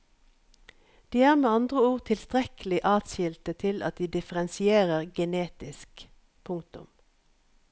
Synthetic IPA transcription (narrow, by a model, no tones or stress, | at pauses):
d̪̥iːæːʁmeːɑnd̪ʁəuːʁt̪ʰɪlst̪ʁɛkəlɪʔɑːt̪sɪlt̪ət̪ʰɪlʔɑ̰t̪̚d̪iːd̪ɪfəʁɛnsɪeːʁəʁɡɛneːt̪ɪsk | pʰʊŋkt̪ʊ̰m